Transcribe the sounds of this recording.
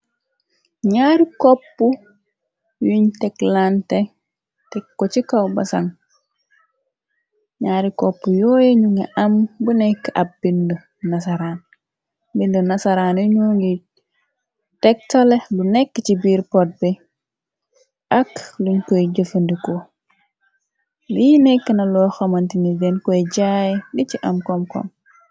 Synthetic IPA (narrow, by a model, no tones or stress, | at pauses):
ɲaːɾikopːu | juɲteklante | tekːot͡ʃikawba̰sa̰ŋ | ɲaːɾikopːujojeɲuŋa̰ʔambunekːa̰bbindo | nasaɾaːn | bindunasaɾaːnuɲuŋɡi | tɛk̚tolelunɛkːt͡ʃibiːɾpot̚bɛ | ʔakluɲkoɟəfəndiko | liinɛkːənɐlɔxɐmɐntinidɛnkɔjɟajdiciʔɐmkɔmkɔ̰m